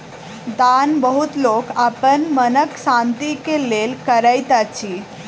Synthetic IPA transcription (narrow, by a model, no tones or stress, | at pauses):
d̪anbəɦut̪lokapənmənəksãnt̪ikelelkəɾajt̪at͡ɕʰi